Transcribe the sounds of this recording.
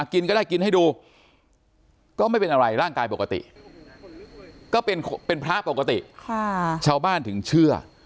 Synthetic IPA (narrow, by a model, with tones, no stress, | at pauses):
ki˧nkɔ˥˩daː˥˩jki˧nha˥˩duː˧ | kɔː˥˩ma˥˩jpe˧nʔa˧ɾa˧jɾaː˥˩ŋkaː˧jpo˨˩ka˧t̪ḭ˨˩ʔ | kɔː˥˩pe˧nʰpe˧npʰɾa˦˥po˨˩ka˧t̪ḭ˨˩ʔkʰt͡ɕʰaː˧wbaː˥˩nt̪ʰɯ˩˦ŋt͡ɕʰɯ˥˩ɐ